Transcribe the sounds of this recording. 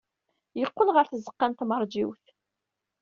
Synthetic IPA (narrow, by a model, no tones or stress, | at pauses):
jəqːəlʁəɾθəzːəqːænt̪məɾˤd͡ʒiwθ